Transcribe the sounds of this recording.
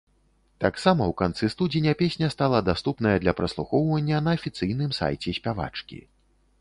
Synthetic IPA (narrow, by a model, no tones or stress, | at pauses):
t̪aksamɐwkant̪sɨst̪ud͡zʲinʲɐpʲesʲnʲɐst̪alˠɐd̪ast̪upn̪ɐjɐd̪lʲɐpɾɐslˠuxɔwvɐnʲːɐnɐːfʲit̪sɨjnɨmsa̰jt͡sʲɛsʲpʲava̰t͡ʂkʲḭ